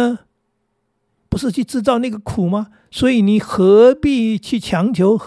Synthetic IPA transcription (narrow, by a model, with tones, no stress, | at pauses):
pu˧˥ʂ̬ɻ̩˥˧t͡ɕʰy˥˧ʈ͡ʂɻ̩˥˧t͡sɑ˥˧ʊna˥˩ɡə˩kʰu˨˩ma˦ | swɔ˧˥i˨˩ni˨˩xɤ˧˥pi˥˧t͡ɕʰy˥˩t͡ɕʰjɑ˧˥ŋt͡ɕʰjo˧˥ʊx